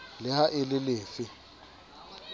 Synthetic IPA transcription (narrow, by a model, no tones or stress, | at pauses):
lɪhaʔɪlɪlɪːfɪ